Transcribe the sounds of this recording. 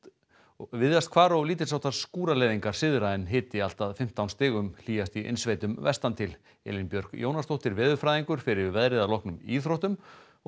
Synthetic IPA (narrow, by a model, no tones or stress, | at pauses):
vɪðast̪̚kʰvaːɾɔwliːt̪ɪɾ̥sawt̪aɾskuːɾalɛːðiŋkaɾ̥sɪðɾaɪnɦɪːt̪ɪal̥t̪aðfɪm̥t̪awnst̪ɪːɣʏml̥iːjast̪iʔḛnsveːjt̪ʏmvɛ̰st̪ant̪ʰɪl | ɛ̰ːlɪnpjœɾ̥ɣjo̰wnast̪owht̪ɪɾvɛːðʏfɾaːjðiŋkʏɾ̥fɪɾɪɾvɛðɾɪðalɔhknʏmiːθɾowht̪ʏm